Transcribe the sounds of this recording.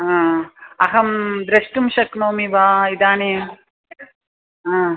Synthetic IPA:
ɦãːɐɦɐmd̪ɾɐʂʈumʃɐknoːmibaːid̪aːneːm | ãː

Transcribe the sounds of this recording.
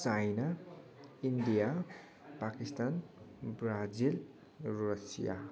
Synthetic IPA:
t͡sajna | indija | pakist̪anbɾad͡zil | ɾʌsḭja̰

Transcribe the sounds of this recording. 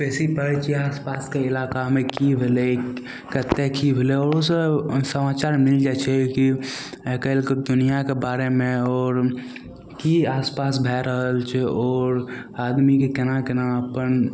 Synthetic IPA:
pɛːsipəɾt͡ʃʰiaːspaːskeɪlaːkamẽkibʱele | kət̪ːekibʱeleɔːɾosesəmaːt͡ʃaːɾmɪld͡ʒat͡ʃʰɛkiɛkəlkd̪ʊnijakebaːɾemẽɔːɾ | kiaːspaːsbʱɛɾəɦəlt͡ʃʰɛɔːɾaːd̪mikekɪnakənaəpən

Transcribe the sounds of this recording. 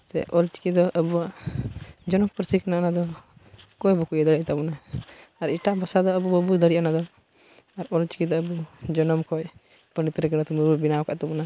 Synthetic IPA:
sɛ̰ʔɔlt͡ʃi̥kid̪ɔʔəbuwaʔ | d͡ʒɔnɔmpəɾsikanaʔanad̪ɔ | kɔjbɔkujɛd̪əɽɛʔt̪abɔnaaɾiʈaʔbasad̪ɔəbubəbud̪əɽiʔanad̪ɔ | aɾɔlt͡ʃi̥kid̪ɔəbud͡ʒɔnɔmkɔj | pəɳit̪ɾɛkɛnat̪ɔmububinaɔka̰ʔt̪abɔna

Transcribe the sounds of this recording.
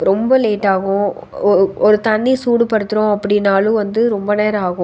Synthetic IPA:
ɾɔmbɐleːʈːaːɣʊ̃ | ɔɾɯɔɾɯt̪ɐnd̪isuːɽɯpɐɽɯt̪ːɯɾõɐpːɐɽɪnːaːlʊ̃ʋɐnd̪ɯɾɔmbɐneːɾaːɣʊ̃

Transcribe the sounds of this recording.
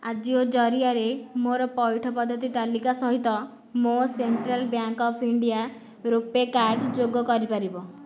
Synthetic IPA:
ad͡ʒiod͡ʒɔɾiaɾemoɾɔpɔjʈʰɔpɔd̪ʱːɔt̪it̪alikasɔɦit̪ɔ | moseɳʈɾalbjaŋkɔpʰiɳɖia | ɾupekaɾɖd͡ʒoɡɔkɔɾipaɾibɔ

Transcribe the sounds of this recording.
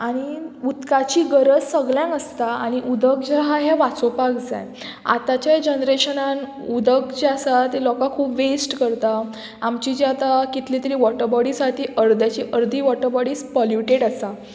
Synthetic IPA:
aɽ̃iut̪kat͡ɕiːɡəɾəd͡zsəɡljãnəst̪aaɽ̃iʔud̪ʱək̚d͡ʑaɦaɦjaʋat͡sopaɡd͡za̰j | a̰t̪at͡ɕjad͡ʑənɾeɕənan | ud̪əkt͡ɕeasat̪elɔkakʰuːpʋesʈkəɾt̪aː | mt͡ɕid͡ʑiat̪akit̪lit̪əɾiːʋɔʈəɾbɔɽiːsaʈʰiːʔəɾd̪jat͡ɕiːʔəɾd̪ʱiːʋɔʈəɾbɔɽiːspɔljuʈeɽasa

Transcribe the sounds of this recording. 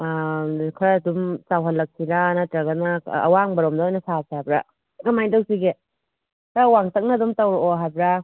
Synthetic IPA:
kʰɾaːdumt͡ʃawɦɐlːɐk̚sʰiɾanatɾɐɡɐna̰ɐ̰waŋbɐɾomdɐɔjnɐsasiajbɾa̰ | ɡɐmajndɐwsiɡe | kʰɾawaŋtɐk̚nɐdumtɐwɾoɦajbɾa

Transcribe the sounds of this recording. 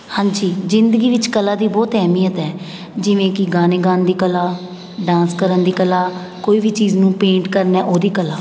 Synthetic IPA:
hãːɲd͡ʒiːzɪnd̪əɡiːʋɪt͡ʃkəlaːd̪iːbɔːt̪ɛːmiːjət̪ɛː | d͡ʒɪʋẽːkɪɡaːneːɡãːnd̪iːkəlaː | ɖãːnskəɾənd̪iːkəlaː | koːiːʋiːt͡ʃiːznũːpẽːɳʈkəɾnɛːʔoːd̪iːkəlaː

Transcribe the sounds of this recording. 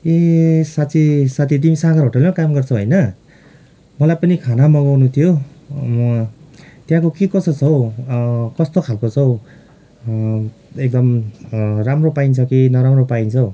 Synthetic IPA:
esat͡sʰisat̪ʰit̪̬imisaɡʌrɾɦoʈelemʌkamɡʌrt͡sʰʌɦojnʌ | mʌlajpʌnikʰanamʌɡawnut̪ʰijomʌ | t̪jãkokikʌsʌt͡sʰʌw | kʌst̪okʰalkot͡sʰʌw | ek̚d̪ʌm | ramropaint͡sʰʌkinʌɾamropaint͡sʰʌ

